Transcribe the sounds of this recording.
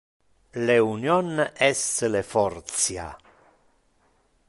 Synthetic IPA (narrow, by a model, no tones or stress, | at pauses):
leunjɔnɛsəlefɔrt̪sja̰